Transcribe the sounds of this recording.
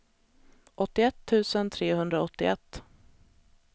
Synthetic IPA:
ʔɔt̪ːɪɛt̪ʰːʉ̟ːsənt̪ʰɾeːhɵnd̪ɾaɔt̪ːɪɛt̪ː

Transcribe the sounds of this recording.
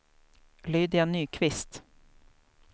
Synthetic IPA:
lyːd̪ɪanːyːkʰvɪst̪

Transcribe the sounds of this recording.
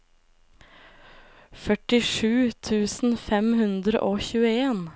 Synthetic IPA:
fœʈɪʂʉːt̪ʰʉːsn̩fɛmhʉnd̪ɾə̰ʔoːçʉːəeːn

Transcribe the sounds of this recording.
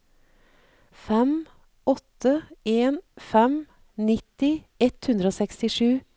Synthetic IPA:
fɛm | ɔt̪əeːnfɛm | nɪt̪ɪ | ɛt̪hʉnd̪ɾəoːsɛkst̪ɪʃʉː

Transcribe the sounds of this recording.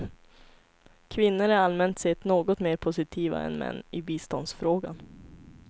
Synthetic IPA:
kʰvɪnːəɾaɾalmɛnt̪sɛt̪ːnoːɡɔt̪meːɾpʰʊsɪt̪ʰiːva̰ɛ̰nmɛ̰nːɪbiːst̪ɔnd̪sfɾoːɡan

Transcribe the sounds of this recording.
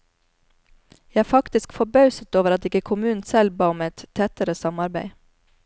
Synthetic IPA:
jææːfɑkt̪ɪskfɔbɑʉsət̪oːʋəɾɑt̪ɪkəkʰʊmʉːn̩sɛlbɑːɔmɛt̪t̪ʰɛt̪əɾəsɑmɑɾbæɪ

